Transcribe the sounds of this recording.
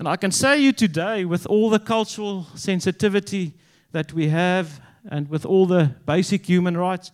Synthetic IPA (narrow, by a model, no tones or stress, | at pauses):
ʔə̃naɪkɨ̃nseɪjɨtɨdeɪwɪðɔlˠðəkʰʌlˠt͡ʃəɹəlˠsɛ̃nsɨtɪvɨtʰi | ðɨt̚ʰwiɦəv | ʔɨ̰̃n̚wɪðɔːlˠðəb̥eɪsɨkhjʉːmə̃nɹaɪts